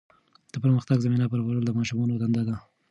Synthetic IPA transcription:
d̪̥əpəɾməxt̪aɡzaminapəɾbaɾəld̪əmɑʃumɑnod̪and̪ad̪a

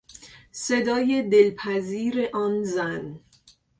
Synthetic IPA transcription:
se̞d̪ɒːje̞d̪elpʰæziːɾeʔɒːnzæn

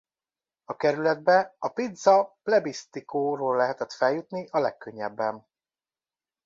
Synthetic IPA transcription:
ɒkɛɾylɛd̪̚bɛɒpid̪zɒplɛbist̪ikoːɾoːlːɛɦɛt̪ɛt̪fɛljut̪niʔɒlɛkːø̞ɲːɛbːɛn

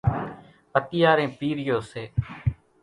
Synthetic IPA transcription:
pət̪ɪjaːɾẽːpiːɾɪjoːseː

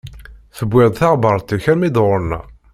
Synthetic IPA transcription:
θəbʷːɪʁd̪ˤθɑʁbəɾˤt̪ːəçæɾmid̪ʁʊɾnæ̰

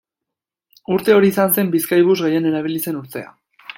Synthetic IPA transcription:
uɾt̪e̞o̞ɾiːsanse̞mbiskajβ̞uzɣeje̞ne̞ɾaβ̞ilise̞nuɾt̪e̞a̰

